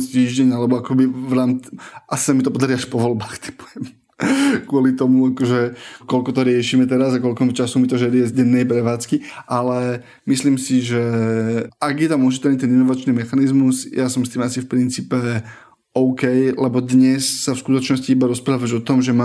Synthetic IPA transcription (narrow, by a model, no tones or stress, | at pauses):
st̪iːʒɟɛɲalɛbɔakɔbiʋɾaːmʔasi̥samit̪ɔpɔd̪aɾiaʃpɔʋɔlbaːxt̪ɛ̥pɔɛm | kʊɔlit̪ɔmuakɔʒɛkɔlkɔt̪ɔɾɪɛʃiːmɛt̪ɛɾazakɔlkɔmit͡ʃasumit̪ɔʒɛɾiɛzɟɛnːɛjpɾɛʋaːt͡skiʔalɛ | misliːmsiʒɛ | aɡjɛt̪amuʒit̪ɛlnit̪ɛninɔʋat͡ʃniːmɛxanizmuzjasɔmst̪iːmasifpɾint͡siːpɛ | ɔʊkɛjlɛbɔd̪ɲɛsːafskut̪ɔt͡ʃnɔsciibaɾɔspɾaːʋad͡ʒɔt̪ɔmʒɛma